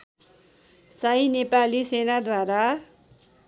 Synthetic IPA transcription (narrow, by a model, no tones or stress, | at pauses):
sajnepalisenad̪waɾa